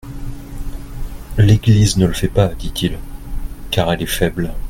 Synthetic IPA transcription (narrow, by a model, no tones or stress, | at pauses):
leɡliznələfɛpad̪it̪ʰil | kaʁɛlɛfɛbl